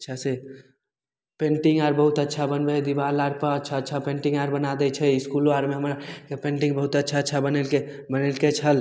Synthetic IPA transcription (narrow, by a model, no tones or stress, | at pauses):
ətːʃʰase | pẽːɳʈiŋɡaːɾbəɦut̪ətːʃʰabənbɛd̪iʋaːlaɾpəɾətːʃʰaətːʃʰapẽːɳʈĩŋɡaːɾbənad̪ɛt͡ʃʰɛɪskuloaɾmẽɦəmɾakepẽːɳʈĩŋɡbəɦut̪ətːʃʰatːʃʰabənele | bənelket͡ʃʰəl